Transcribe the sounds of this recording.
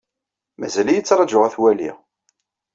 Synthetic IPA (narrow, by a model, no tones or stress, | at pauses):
mæzælijət͡sːɾˤɑd͡ʒʊʁæθwælḭ